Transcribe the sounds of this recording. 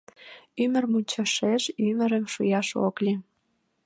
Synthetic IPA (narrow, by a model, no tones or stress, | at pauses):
ymə̆rmunʲt͡ɕɑʃeʃymə̆ɾə̆mʃṵjɑʃo̰klʲi